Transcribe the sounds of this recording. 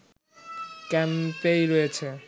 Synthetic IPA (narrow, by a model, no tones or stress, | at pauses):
kɛmpejɾoet͡ɕʰe